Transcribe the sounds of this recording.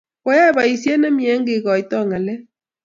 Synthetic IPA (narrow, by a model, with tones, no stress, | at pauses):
ɔ˦ja˦˨βa˨i˨sjɛ˦nɛ˦mi˨˦ɛ˦ŋɡe˨ɣɔ˨i˨tɔ˦˨ŋa˨lɛ˦